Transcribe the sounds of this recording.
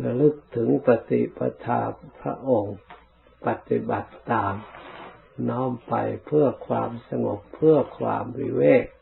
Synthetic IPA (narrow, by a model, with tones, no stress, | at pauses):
la˧lɯ˧˩k̚t̪ʰɯ˨˦ŋpa˧t̪ḭ˧pa˧t̪ʰaː˧˩pʰɾa̰˧ʔo˧ŋ | pa˧t̪i˧ba˨˩t̪ːaː˨m | nɔː˧˥˩mpa˨jpʰɯ˥˩ɐkʰwaː˧msa˧ŋo˧˦p̚pʰːɯ˧˥˩ɐkʰwa̰ː˧mwḭː˧weː˥˩k̚